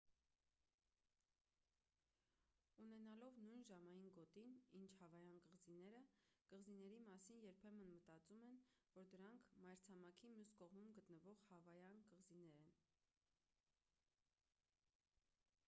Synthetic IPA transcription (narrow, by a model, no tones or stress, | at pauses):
unɛnɑlɔvnujnʒɑmɑjinɡɔt̪inint͡ʃʰhɑvɑjɑnkəʁzinɛɾəkəʁzinɛɾimɑsinjɛɾpʰɛmənmət̪ɑt͡sumɛnvɔɾd̪əɾɑŋkʰmɑjɾt͡sʰɑmɑkʰimjuskɔʁmumɡət̪nəvɔʁhɑvɑjɑnkəʁzinɛɾɛn